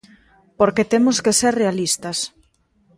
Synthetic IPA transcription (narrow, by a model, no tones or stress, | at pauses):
poɾket̪emoskeseɾrealist̪ɐs